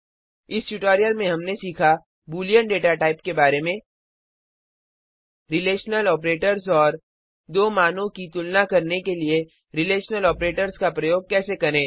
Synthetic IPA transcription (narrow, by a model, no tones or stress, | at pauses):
ɪsʈuʈɔːɾijəlmẽɦɐmnesiːkʰa | buːlijəɳɖeːʈaʈaːɪpkebaːɾemẽ | ɾɪleːʃnəlɔːp̬ɾeːʈəɾzɔːɾ | d̪oːmaːnõkit̪ʊlnakɐɾnekelie | ɾɪleːʃnəlɔːpɾeːʈəɾzkapɾɐjoːɡ̚kɛːsekɐɾẽː